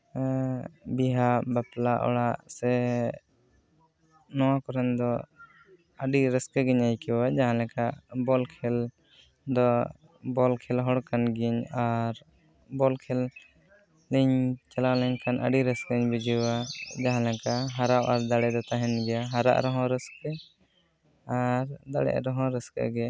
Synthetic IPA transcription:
biɦaʔbaplaʔɔ̰ɽaʔsɛ | nɔwãkɔɾɛnd̪ɔ | aɖiɾɛskəɡiɲajkɛwad͡ʒaɦãlɛ̃kaʔbɔlkʰɛl | d̪ɔ | bɔlkʰɛlɦɔɽkanɡiɲaɾ | bɔlkʰɛlː | iɲt͡ʃɛlalɛɲkanʔə̰ɖiɾəskiɲbid͡ʒiwad͡ʒaɦãlɛ̃kaɦaɾawʔaɾd̪aɽɛd̪ɔt̪aɦɛnɡɛjaɦaɾa̰ʔɾɔɦɔ̃ɾəskɛ | aɾd̪aɽɛ̰ʔɾɔɦɔ̃ɾəskɛ̰ɡɛ

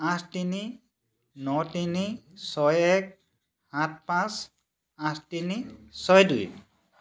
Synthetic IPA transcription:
ãsʰtini | nɔtinisɔjɛk̚ | hãt̚pãs | ãsʰtinisɔjdṵj

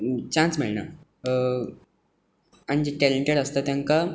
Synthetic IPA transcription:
t͡ɕãnt͡smiɭna̰ | aɽ̃id͡ʑeʈɛleɳʈeɽəst̪at̪jãŋka

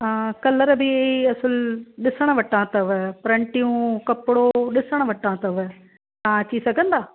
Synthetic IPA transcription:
kɐləɾbɪiɐsʊlɗɪsəɽ̃ʋɐʈãt̪ɐʋpɾɐ̃ɳʈijũkɐpɽoɗɪsəɽ̃ʋɐʈãːt̪ɐʋ | t̪ãɐt͡ɕisɐɡʱə̃nd̪aː

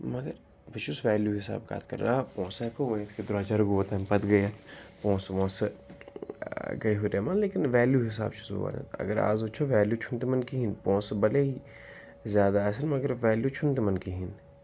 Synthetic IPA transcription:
mɐɡəɾ | ʋɐt͡ʃusʋɛːljuɦɪsa̰ːb̚ka̰ːt̪ʰkɐ̰ɾlaːpɔ̃ːsekoʋɐ̃j̃t̪ʰked̪ʊɾt͡ʃaɾɡoːt̪ɐmpɐt̪ɡɐjɐt̪ʰpɔ̃ːsʋɔ̃ːs | ɡɐiɦuɾeːmɐːnleːkɪnʋɛːljuɦɪs̬a̰ːbt͡ʃʰu̥so̰ʋa̰ːnɐ̰t̪ʰɐ̰ɡəɾa̰ːzot͡ʃʰoʋɛːljut͡ʃʰunt̪emɐnkiɦĩnpɔ̃ːsbɐleɦi | zʲjaːd̪as̬ɐnmɐɡəɾʋɛːljut͡ʃʰunt̪emɐnkiɦin

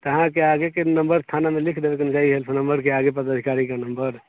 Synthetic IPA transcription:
t̪əɦãkeaɡekenəmbəɾst̪ʰanamelikʰd̪ebekend͡ʒaiɦelpʰənəmbəɾkeaɡepəd̪əd̪ʱikaɾikanəmbəɾ

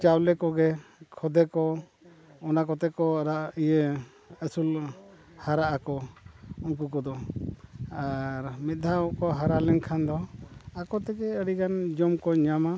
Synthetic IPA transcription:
t͡ʃawlɛkɔɡɛkʰɔd̪ɛkɔ | ɔnakɔt̪ɛkɔaɾaʔijə | əsul | haɾaʔakɔuŋk̬ukɔd̪ɔ | aɾmɛt̪̚ˀd̪ʱaɔʔkɔɦaɾalɛnkʰand̪ɔakɔt̪ɛkɛəɽikand͡ʒɔmkɔɲama

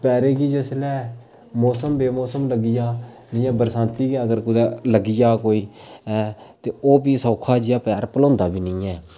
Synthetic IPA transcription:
pɛːɾeːɡiːd͡ʒəslɛː | mɔːsəmbeːmɔːsəmləɡɪjaː | d͡ʒɪjãːbəɾsãːnt̪iːɡɛəɡəɾkʊd̪ɛːləɡɪjaːkoːiːɛːt̪eːoːbiːsɔːkʰaːd͡ʒɪjaːpɛːɾpəlɔ̃ːnd̪aːbiːnĩːɛː

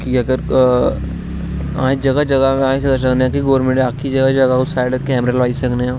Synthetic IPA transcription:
kiɐɡəɾ | ã̰ːɦĩd͡ʒɐɡad͡ʒɐɡamãːĩsɐɡas̬ɐkneãːkiɡoːɾmẽɳɖaːkʰid͡ʒɐɡad͡ʒɐɡausaːɪɖkɛːmɾalʋaːisɐkneɦãː

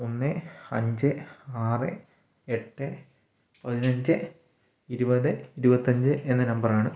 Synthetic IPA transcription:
onːɨɐ̰ɲd͡ʑɨaːrɨ | e̞ʈːɨ | pɐðinɐɲd͡ʑɨ | iɾubɐðɨiɾubɐt̪ːɐɲd͡ʑɨʔe̞nːɨnɐmbɐraːɳɨ

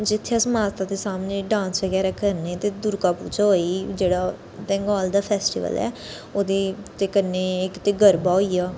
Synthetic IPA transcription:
d͡ʒɪt̪ʰːeasəmaːt̪aːd̪eːsaːmneːɖãːnsʋəɡɛːɾaːkəɾneːt̪eːd̪ʊɾkaːpṵːt͡ʃaɦoːid͡ʒeːɽaː | t̪ɛ̃ːŋɡɔːld̪aːpʰɛːsʈḭːʋə̰lɛ̰ː | oːd̪eːt̪eːkəneːɪkt̪eːɡəɾbaːoːiːaː

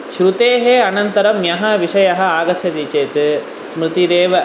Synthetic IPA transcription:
ʃɾut̪eːɦeːɐnɐnt̪ɐɾɐmjɐɦɐʋiʃɐjɐɦɐ̆aːɡɐt͡ʃʰɐd̪it͡ʃeːt̪ɨ | smɾɨt̪iɾeːʋɐ

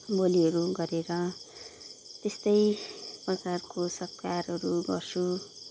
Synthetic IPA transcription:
boliɦʌɾuɡʌɾeɾʌ | t̪est̪ʌjprʌt͡sarkosʌpkarɦʌɾuɡʌ̰rt͡sʰu

